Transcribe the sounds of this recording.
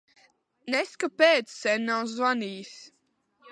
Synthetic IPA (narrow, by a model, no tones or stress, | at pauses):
nɛskapeːt̪ssɛnːawzvaniːs